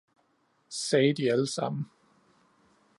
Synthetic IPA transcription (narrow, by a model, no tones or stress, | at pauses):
sɛːd̥iæləsɑ̈m̰n̩